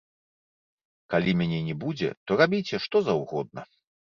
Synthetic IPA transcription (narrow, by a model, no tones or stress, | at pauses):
kalʲimʲanʲɛnʲɛbud͡zʲɛ̰t̪ɔɾabʲit͡sʲɛʂt̪ɔzɐwɣɔd̪̚nɐ̰